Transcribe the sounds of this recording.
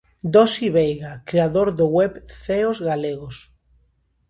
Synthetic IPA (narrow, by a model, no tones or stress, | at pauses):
d̪osiβejɣakɾeaðoɾðoɣwɛβθeozɣaleɣos